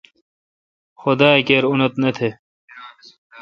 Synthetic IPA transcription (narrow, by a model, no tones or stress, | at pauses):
xʊd̪aːekeːɾunɐt̪nɐt̪ʰe